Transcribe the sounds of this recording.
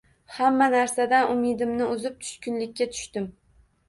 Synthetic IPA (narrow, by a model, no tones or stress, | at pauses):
hamːanaɾsad̪anʔʊmɪd̪ɪmnɪʊzɪp̚t̪ʰʊ̥ʃkʲɪnlɪkʲːat̪ʰʊ̥ʃt̪ɪm